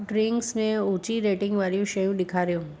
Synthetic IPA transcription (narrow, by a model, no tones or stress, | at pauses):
ɖɾɪŋksnẽut͡ʃiɾeʈɪ̃ŋɡʋaɾjũʃəjũd̪ɪkʰaɾjũ